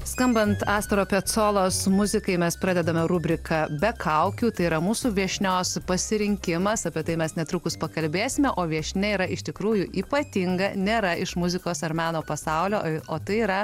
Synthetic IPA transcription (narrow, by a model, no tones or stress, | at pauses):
skɐmbɐnt̪ɑːst̪ɾoːpʲɛt̪soːlˠoːsmʊzʲɪkɐɪmʲɛspɾɑːd̪ʲɛd̪ɐmʲɛɾʊbʲɾʲɪkʰɐːbʲɛkʰɐʊkʲuːt̪ɐɪiɾɐmuːsuːʋʲiɛʃʲnʲoːspɐsʲɪɾʲɪŋʲkʲɪmɐsɐpʲɛt̪ɐɪmʲɛsnʲɛt̪ɾʊkʊspɐkɐlʲbʲeːsʲɪmʲɛʔoːʋʲiɛʃʲnʲɛiːɾɐɪʃt̪ʲɪkɾuːjʊʔiːpɐt̪ʲɪŋɡɐnʲeːɾɐɪʃmʊzʲɪkoːsɐɾmʲæːnoːpɐsɐʊlʲoːoːt̪ɐɪiːɾɐ